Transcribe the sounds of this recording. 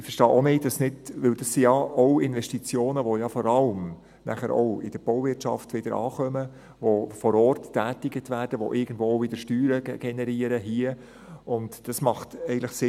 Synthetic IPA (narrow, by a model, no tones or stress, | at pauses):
ɪfəɾʃtɑːʔonɪdɑsnɪdʋɪld̥ɑsijɑoʊɪnʋɛʃtit͡sjoːnəʋojɑfɔɾɑlm | næ̰χəɾʔɔ̰ʊɪ̰d̥əɾb̥ɔwvɪtʃɑ̰ftʋɪd̥əɾʔɑ̰ːχœmə | ʋofɔɾɔːrtːæːtɪɡətʋæːrd̥əʋo̰ʔɪɡən̩dʋovɪd̥əɾʃtyːɾəɡ̥ɛnɛɾiːəɾəɦiə | ʊntd̥ɑsmɑχtɛɪɡn̩tləχsɪ